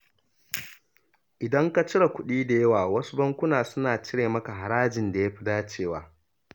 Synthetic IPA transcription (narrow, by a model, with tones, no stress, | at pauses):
ʔɪ˨dɐ˦ŋka˨t͡ʃɪ˦ɽa˨kʷʊ˦ɗiː˦da˨jɐ˦waː˨wɐ˦su˦bɐ˦ŋkʷʊ˦naː˨sʊ˦naː˨t͡ʃɪ˦ɽeː˨mɐ˦ka˨ɦa˨ɽaː˦d͡ʒɪ˨nda˨ja˦ɸɪ˦daː˦t͡ʃeː˦˨waː˨